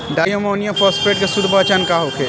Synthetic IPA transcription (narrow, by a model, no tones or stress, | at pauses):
ɖajomonijopʰɔspɾeʈkesud̪ʱbət͡ʃankaɦokʰe